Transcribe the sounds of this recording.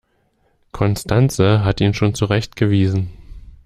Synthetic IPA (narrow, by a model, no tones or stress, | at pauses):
kʰɔnstʰant͡səɦatiːnʃoːnt͡suʁɛçtɡ̥əviːzn̩